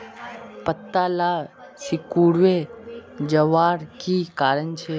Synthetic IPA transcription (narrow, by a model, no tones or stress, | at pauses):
pət̪ːala | sikuɽʋed͡ʒəʋaɾkikaɾəɳt͡ʃʰe